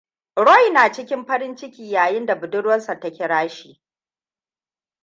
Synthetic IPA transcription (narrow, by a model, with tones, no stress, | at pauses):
ɽɔ˦jnaː˨t͡ʃɪ˦kʲɪ˦mɸɐ˦ɾɪ˦nt͡ʃɪ˦kʲiː˨jaː˨jɪ˦nda˨bʊ˨dʊ˦ɽwɐ˦nsa˨tɐ˦kʲɪ˦ɽaː˦ʃiː˨